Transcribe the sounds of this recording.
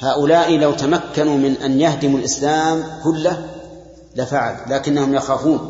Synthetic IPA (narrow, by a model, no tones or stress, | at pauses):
haːʔʊlaːʔilawt̪amakːanumɪnʔanjahd̪ɪmalʔɪslaːmkʊlːa | lafaʕa̰llaːkɪnːahʊmjaxaːfuːn